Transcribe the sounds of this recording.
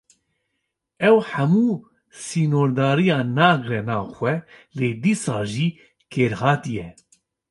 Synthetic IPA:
ɛwħɛmuː | siːnoːɾd̪ɑːɾijɑːnɑːɡɾɛnɑːxʷɛleːd̪iːsɑːʒiː | kʰeːɾhɑːt̪ijɛ

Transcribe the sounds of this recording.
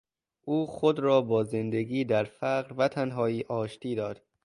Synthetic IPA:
ʔuːxod̪ɾɒːbɒːze̞nd̪eɡiːd̪æɾfæɢɾvæt̪ʰænɦɒːiːʔɒːʃt̪ʰiːd̪ɒːd̪̥

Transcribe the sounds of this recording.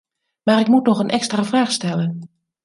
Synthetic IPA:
maːrɪkmutnɔxənʔɛkstraːvraːxstɛlən

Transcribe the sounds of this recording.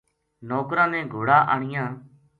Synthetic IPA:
noːkɾãːnɛ̃ːɡʱoːɽaːʔaːɳɪjãː

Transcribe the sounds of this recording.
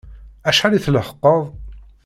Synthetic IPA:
æʃħæliθləhə̥qːəðˤ

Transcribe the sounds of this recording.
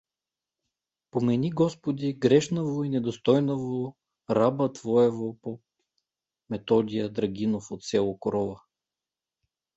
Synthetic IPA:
pomɛniɡɔspod̪ʲiɡɾɛʃnovoinɛd̪ost̪ɔjnovo | ɾabət̪vɔɛvopo | mɛt̪ɔd̪ʲijəd̪ɾɐɡʲinofot̪sʲɛlˠokɾɔvə

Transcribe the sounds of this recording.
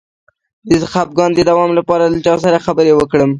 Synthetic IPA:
d̪əzxab̚ɡɑnd̪əd̪awɑmlapɑɾalat͡ʃɑs̬aɾaxabəɾewəkɽəm

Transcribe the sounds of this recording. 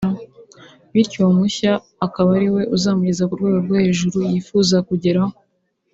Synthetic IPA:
βiɾcomuçaː | kaβaɾiwe̞ʔuzaːmuɟizakuɾɡweːɡoɾɡwahe̞ːʒuɾujiːfuzakuɟe̞ɾaho

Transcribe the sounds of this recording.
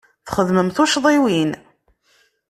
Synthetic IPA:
θχəðməmθʊʃðˤiwin

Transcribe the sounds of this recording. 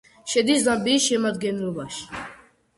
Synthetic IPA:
ʃɛd̪isd̪ambiːʃɛmad̪ɡɛnɾuvaʃ

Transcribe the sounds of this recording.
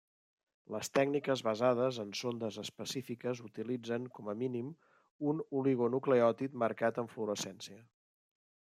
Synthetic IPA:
ləst̪ɛɡnikəzβəzað̞əzənsond̪əzəspəsifikəzut̪ilid͡zəŋkɔməminim | unuliɣonukleɔt̪it̪məɾkat̪əɱfluɾəsɛnsiə

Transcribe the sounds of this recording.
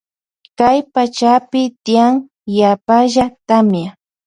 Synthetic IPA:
kajpat͡ʃapɪt̪ɪjaŋ | japaʒat̪amja

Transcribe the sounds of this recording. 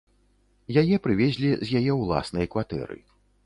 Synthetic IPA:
jajɛpɾɨvʲɛzʲlʲizʲjajɛwlˠa̰snɐjkvat̪ɛ̰ɾɨ̰

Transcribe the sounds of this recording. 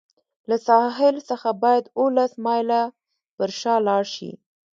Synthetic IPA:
lasɑɦɪlsəxabɑjad̪olasmɑjla | pəɾʃɑlɑɽʃḭ

